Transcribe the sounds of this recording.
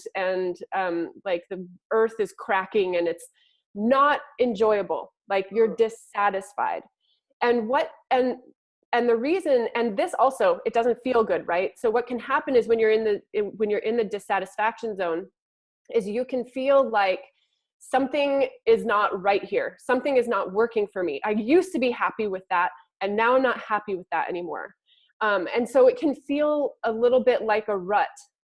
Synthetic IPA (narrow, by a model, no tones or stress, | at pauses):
ɨ̃nʌ̃mlaɪk̚ðiɜ˞θɨz̥kʰɹ̥ækɪ̃ŋɨ̃nɨts | nəɾɨ̃nd͡ʒɔɪɨbl̩ˠ | laɪkjə˞dɪsæɾɨsfa̰ɪd̥ | ʔɨ̃nwʌɾɨ̃n | ɨ̃nðɨɹizɨ̃nɨ̃nðɪsɔlˠsoʊɪt̚d̥ʌzɨ̃n̩tfilˠɡʊd̚ɹaɪt̚soʊwʌt̚kʰɨ̃nhæpɨ̃nɨzwɨ̃njə˞ɨ̃nðɨwɨ̃njə˞ʔɪ̃nðɨdɨsæɾɨsfækʃɨ̃n̩zõʊ̃n | ɪzjɨkʰɨ̃nfilˠlaɪk | sʌ̃mθɪ̃ŋɪznəʔ̚ɹaɪt̚hiɹsʌ̃mθɪ̃ŋɨznəʔ̚wɜ˞kɪ̃ŋfə˞mḭʔaɪjʉstɨbihæpiwɨðæt̚ | ɨ̃nːaʊãɪmnət̚hæpiwɨðəɾɛ̰ñimɔ̰ɹ | ʌ̃mɨ̰̃nsoʊɨt̚kʰɨ̃nfilˠəlɪɾl̩ˠbɪʔˡlaɪkəɹʌt̚